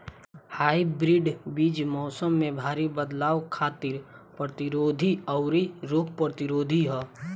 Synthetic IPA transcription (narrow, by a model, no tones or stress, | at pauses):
haːibɾɪɖbiːd͡ʒmɔːsəmːẽbʱaːɾibəd̪laːʋkʰaːt̪ɪɾ | pɾət̪ɪɾoːd̪ʱiɔʊɾiɾoːk̚ʰpɾət̪ɪɾoːd̪ʱiɦɛː